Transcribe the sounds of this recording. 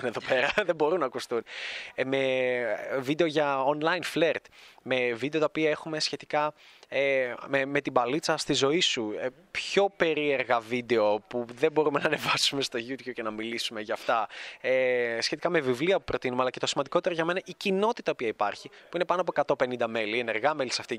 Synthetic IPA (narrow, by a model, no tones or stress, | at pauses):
neðo̞peɾɐðe̞bo̞ɾunɐkust̪unme | vid̪e̞oʝɐonlɐjnfle̞ɾt̪me̞vid̪eo̞t̪ɐopiɐe̞xume̞sçe̞t̪ikɐ | meme̞t̪ibɐlit͡sɐst̪izo̞isu | pço̞pe̞ɾie̞ɾɣɐvid̪e̞o̞puðebo̞ɾumenɐːne̞vɐsume̞st̪o̞ʝut̪çup̚cenɐmilisume̞ʝɐːft̪ɐesçe̞t̪ikɐme̞vivliɐpupɾo̞t̪inumeɐlɐce̞t̪o̞simɐnd̪iko̞t̪e̞ɾɐʝɐme̞nɐʔicino̞t̪it̪ɐopiɐipɐɾçipuine̞pɐnoɐp̬oekɐt̪o̞pe̞nind̪ɐme̞lie̞ne̞ɾɣɐmelisɐft̪i